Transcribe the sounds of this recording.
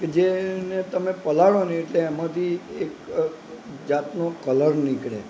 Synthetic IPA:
ked͡ʒenet̪əmepəlaɭoneeʈleemãt̪ʰiek | d͡ʒat̪nokələɾnikɭḛ

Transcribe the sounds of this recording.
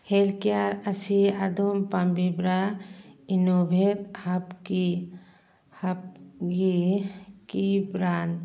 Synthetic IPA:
helkijaɾɐsiad̪ompambibɾa | inobʱet̪hɐpki | hɐpɡi | kibɾand̪

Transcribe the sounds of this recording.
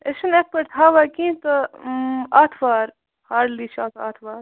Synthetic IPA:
eʃɐnek̚pɐɾt̪ʰaːʋakĩːt̪ɐ | aːt̪ʰʋaːɾ | haːɾliːt͡ʃʰaːt̪ʰa̰ːt̪ʰʋaːɾ

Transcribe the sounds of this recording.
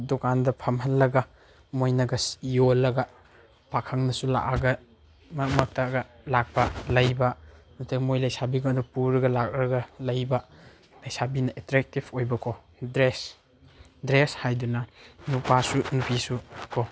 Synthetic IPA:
dɔkandɐpʰɐmɦɐlːɐɡɐ | mojnɐɡɐsijolːɐɡɐ | pakʰɐŋnɐsula̰ʔaɡɐ | mɐmɐk̚taɡɐ | lak̚pɐlɐjbɐ | nɐtʰekmojlɐjsabiɡadupuɾɐɡɐlak̚ɾɐɡɐlɐjbɐ | lɐjsabinɐʔetɾek̚tibʰojbɐkʰo | dɾes | dɾeshajdunɐnupasunupʰisukʰo

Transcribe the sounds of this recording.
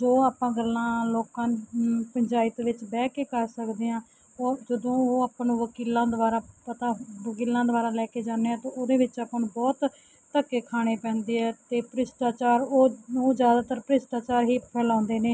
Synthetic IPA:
d͡ʒoːaːpãːɡəlːãːloːkãːnpəɲd͡ʒaːɪt̪ʋɪt͡ʃbɛːkeːkəɾsəkd̪eːãː | d͡ʒəd̪õːoːaːpnũːʋəkiːlãːd̪əʋaːɾaːpət̪aːʋəkiːlãːd̪ʊʋaːɾaːlɛːkeːd͡ʒaːneːãːt̪õʔoːd̪eːʋɪt͡ʃaːpəñːbɔːt̪ː | əkːeːkʰaːɽ̃eːpɛ̃ːnd̪eːɦɛːt̪eːpəɾɪsʈ̪aːt͡ʃaːɾoːũːzjaːd̪aːt̪əɾpəɾɪsʈ̪aːt͡ʃaːɾɦiːpʰɛːlãːnd̪eːneː

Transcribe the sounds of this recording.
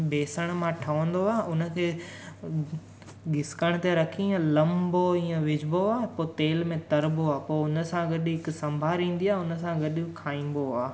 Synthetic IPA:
beːsəɽ̃mãʈʰɐʋə̃nd̪oaːʊnə̆kʰeː | ɡɪskəɽ̃t̪eɾɐkʰiə̃lɐ̃mboĩːə̃ʋɪd͡ʒboaːpoːt̪eːlmẽt̪ɐɾboaːpoːʊnəsãɡɐɗɪɦɪksɐ̃mbʱaːɾĩːn̆d̪iaːɦʊnə̆sãɡɐɗɪkʰaːĩːn̆b̪oaː

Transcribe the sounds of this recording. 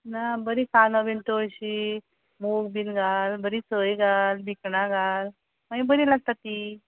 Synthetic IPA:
nabəɾikanabeɳʈ̪əəɕi | moɡbinɡʱalbəɾit͡səjɡalbʱikɳaɡal | maibəɾilaɡ̚t̪at̪ːiː

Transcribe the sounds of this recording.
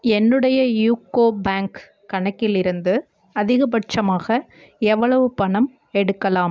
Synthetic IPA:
ɛnːɯɽɐjɐjuːkoːbaːŋkː | ɐɳɐkːɪlɪɾɯnd̪ɯ | ɐðɪɣɐbɐʈt͡ʃɐmaːɣɐ | ɛʋːɐɭɐʋɯpɐɳɐm | ɛɽɯkːɐlaːm

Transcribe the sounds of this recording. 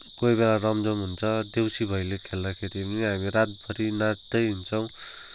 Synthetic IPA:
kojbelarʌmd͡zʌmɦunt͡sʰʌd̪ewsibʱʌjlekʰeld̪akʰeɾiʌniɦamiɾat̪̚bʱʌɾinad̪ʌjɦunt͡sʰʌw̃

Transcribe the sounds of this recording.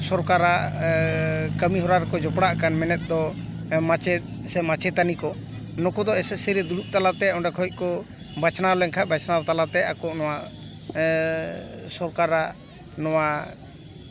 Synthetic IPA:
sɔɾkaɾa | kəmiɦɔɾaɾɛkɔd͡ʒɔpɽaʔkanmɛnɛt̪̚ˀd̪ɔmat͡ʃɛt̪̚sɛmat͡ʃɛt̪anikɔ | nɔkɔd̪ɔɛsɛsəɾɛd̪uɾut̪̚ˀt̪alat̪ɛɔɳɖakʰɔɔt̪̚ˀkɔ | bat͡ʃʰnalɛŋkʰabat͡ʃʰnawt̪alat̪ɛakɔʔnɔwaʔ | sɔɾkaɾa | nɔwa

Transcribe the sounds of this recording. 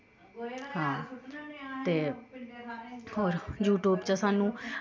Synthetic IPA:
ɦãː | t̪eː | ɦoːɾjuːʈuːbt͡ʃəsaːnũː

